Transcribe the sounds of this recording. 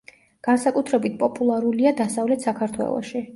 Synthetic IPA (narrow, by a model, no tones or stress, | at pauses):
ɡ̥ansakʼut̪ʰɾɛbit̪̚pʼɔpʼulˠaɾuliad̪asavlɛt̪ʰsakʰaɾt̪ʰwɛ̰lˠɔ̰ʃi